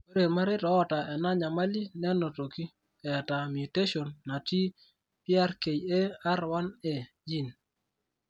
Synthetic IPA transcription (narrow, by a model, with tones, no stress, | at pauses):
e˦ɾe˨ma˦ɾɪ˦tɔː˨˦ta˨ɛ˨na˦ɲa˨ma˦li˦nɛ˦nɔ˨to˨ki˦ | ɛ˨ta˨mi˨te˦ʃo˨nːa˨ti˦ | pja˦ɾke˨je˦a˦ɾwa˦nɛ˨ | d͡ʒi˦˨n